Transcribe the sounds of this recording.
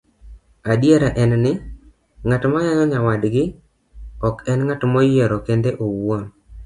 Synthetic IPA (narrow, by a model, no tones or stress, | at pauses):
adjeɾaʔɛnnɪ | ŋatmajajɔɲawadɡɪ | ɔkɛnŋatmojjeɾɔkendeʔowon